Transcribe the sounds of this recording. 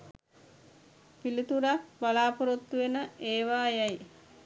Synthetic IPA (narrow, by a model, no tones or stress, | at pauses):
pilit̪uɾak̚balaːpoɾot̪ːuʋenəeːʋaːjaj